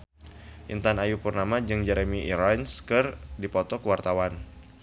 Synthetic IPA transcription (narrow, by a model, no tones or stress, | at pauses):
ʔḭnt̪anajupərnamad͡ʒɨŋd͡ʒɛɾemiiɾanskɨrdipɔt̪ɔkəwart̪awan